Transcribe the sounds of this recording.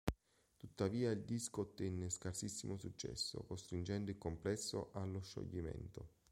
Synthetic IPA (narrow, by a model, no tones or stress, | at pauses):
t̪ut̪ːaviːaild̪iskot̪ːɛnːeskarsisːimosut͡ʃːɛ̰sːo̰kost̪ɾind͡ʒɛnd̪oilkomplɛsːo̰ʔalːoʃːo̰ʎːimɛ̰nt̪o